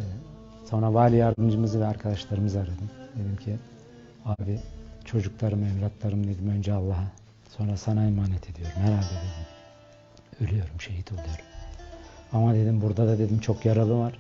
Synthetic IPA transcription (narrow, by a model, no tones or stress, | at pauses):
so̞nɾavaɾlʲijaɾd̪ɯmd͡ʒɯmɯzɯvɛaɾkʰad̪aʃlˠaɾɯmɯzaɾad̪ɯmd̪e̞d̪imcʰi | aːbit͡ʃʰo̞d͡ʒuklˠaɾɯmɛmɾat̪lˠaɾɯmd̪e̞d̪imø̞nd͡ʒɛalˠːaɦa | so̞nɾasanajmaːnɛt̪ʰe̞d̪ijo̞ɾumhɛɾhalʲd̪ɛd̪e̞d̪im | ølʲyjo̞ɾumʃe̞jɦit̪ʰo̞lˠujo̞ɾum | amad̪e̞d̪imbuɾd̪ad̪ad̪e̞d̪imt͡ʃʰo̞kjaɾalˠɯvaɾ̥